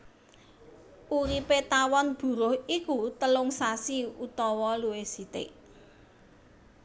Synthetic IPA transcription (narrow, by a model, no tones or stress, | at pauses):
ʔuɾipet̪awɔnb̥ṳɾʊhikut̪əlʊŋsasiut̪ɔwɔluwesit̪ɪ̰ʔ